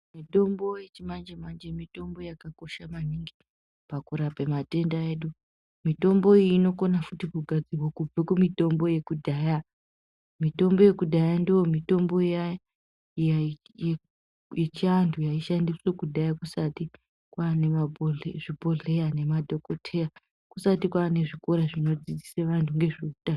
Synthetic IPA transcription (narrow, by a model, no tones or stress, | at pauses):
mito̞mbo̞jet͡ʃimand͡ʒemand͡ʒemito̞mbo̞jakako̞ʃamaniŋɡi | pakuɾapemate̞ndaeɗu | mito̞mbo̞iːno̞ko̞nafutikuɡʱad͡zirwakub͡vekumito̞mbo̞je̞kudʱaːja | mito̞mbo̞je̞kudʱajandiwo̞mito̞mbo̞ija | ja | e | jit͡ʃiantʰujaiʃandiswekudʱajakusati | kwaːnemaboeʐibʱo̞ɮe̞jane̞madʱo̞kotʰe̞ja | kusatikwaːne̞ʐikoɾaʐino̞d͡zid͡ziseʋantʰuŋɡe̞ʐekuta